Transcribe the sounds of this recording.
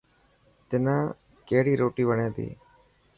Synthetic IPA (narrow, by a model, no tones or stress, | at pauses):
t̪ɪnãː | keːɽiːɾoːʈiːʋəɳẽːd̪ḭː